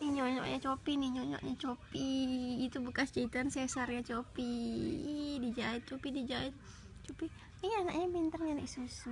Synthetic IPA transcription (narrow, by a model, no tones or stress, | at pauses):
niɲɔɲɔ̰ʔɲat͡ʃopiniɲoɲo̰ʔɲat͡ʃopiːt̪ubəkasd͡ʒait̪ansɛsarɲat͡ʃopi | did͡ʒait̪̚t͡ʃopidid͡ʒaɪt̪̚ | t͡ʃopi | iana̰k̚ɲabint̪ərɲanisus